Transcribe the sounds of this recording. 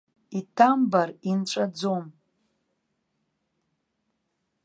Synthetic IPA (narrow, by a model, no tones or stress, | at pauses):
itʰambarinʈ͡ʂʷʼad͡zom